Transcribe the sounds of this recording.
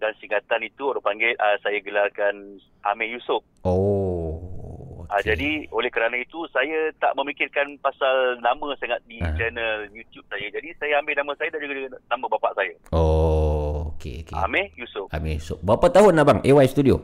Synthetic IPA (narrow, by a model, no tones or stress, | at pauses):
dansiŋɡat̪anit̪uoɾapaŋɡelʔasajaɡəlarkan | ʔa̰mɛ̃jusʊp̚o | okad͡ʒadiolɛhkəɾanãit̪usajət̪a̰ʔmə̃mikɪrkanpasalnamə̃saŋat̪̚did͡ʒənəljut̪jup̚sajəd͡ʒadisajəambɪlnamə̃sajədand͡ʒuɡauɡanamə̃bapaʔsajəo | okḛokea̰mɛ̃jusʊp̚a̰mɛ̃jusʊp̚bəapat̪aɦʊnːabaŋʔewajst̪udio